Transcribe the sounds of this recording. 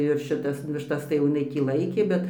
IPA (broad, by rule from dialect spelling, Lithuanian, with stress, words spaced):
ɪr ʃʲɪˈtɐs ʋʲɪʃˈtɐs tɐɪ jɛʊ ɪˈnɐɪ tʲiː ˈlˠɐɪkʲeː ˈbʲɛt